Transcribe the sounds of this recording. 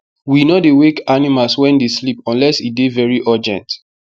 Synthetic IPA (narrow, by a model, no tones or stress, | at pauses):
winodewekanimalswɛ̃ndeslipɔ̃nlɛsit̚devɛɹiʔɔd͡ʒɛ̰̃nt